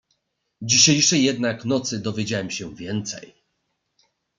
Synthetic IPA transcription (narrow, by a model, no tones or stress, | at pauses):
d͡ʑiɕejʂɛjːɛd̪naknɔt̪sɘd̪ɔvʲjed͡ʑawɛmɕɛvʲjɛnt̪sɛ̰j